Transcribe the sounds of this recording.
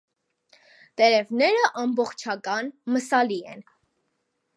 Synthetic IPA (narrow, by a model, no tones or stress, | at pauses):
t̪ɛɾɛvnɛɾəʔɑmbɔχt͡ʃʰɑkɑnməsɑliɛ̰n